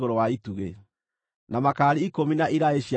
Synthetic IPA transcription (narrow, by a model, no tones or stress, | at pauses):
ɣoɾowaituɣe | namakaːɾiikominaʔiɾaeʃia